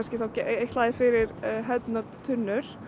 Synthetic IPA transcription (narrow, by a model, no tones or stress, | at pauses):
nscɪθawcʔejht̪laːðɪfɪɾɪɾɦɛt̪naðt̪ʰʏnːʏɾ̥